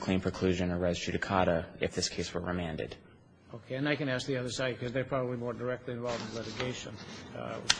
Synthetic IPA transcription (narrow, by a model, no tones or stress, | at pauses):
kʰl̥ĩnpʰɹ̥ɨkʰl̥ʉʒɨ̃nə˞ɛɪzt͡ʃɨɾɨkʰɑɾəɨ̰fðɪskʰeɪswə˞ɹɨmæ̃ndɨ̰d̥ | oʊkʰeɪɨ̃naɪkɨ̃næsk̚ðiʌðə˞saɪd̚kʰʌzðəpʰɹ̥ɑbəblimɔɹdə˞ɛk̚tʰˡliɨ̃ɱvɑlˠṽnlɪɾɨɡeɪʃɨ̃n